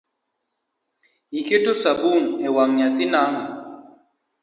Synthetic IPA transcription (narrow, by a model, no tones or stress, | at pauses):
ikeʈ̪usɐbuːnewaŋjɐt̪inaːŋ